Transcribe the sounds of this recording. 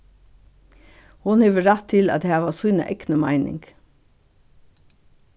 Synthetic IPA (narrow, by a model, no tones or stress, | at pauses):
hʊnheːʋəɾæt̪ʰːɪlɑ̰t̪d̪eæːʋɑːsuːnə̰ʔɛɡnəmæ̰ɪnʔɪ̰ŋɡ